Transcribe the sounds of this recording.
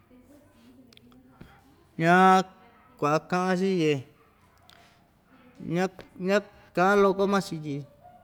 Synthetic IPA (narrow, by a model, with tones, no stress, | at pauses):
ɲã˦ | kʷa˨ʔa˧kã˦ʔã˧ʃi˦je˧˨ | ɲã˦ɲã˦ | kã˧ʔã˦lo˧ko˦mã˦t͡ʃi˧ti˧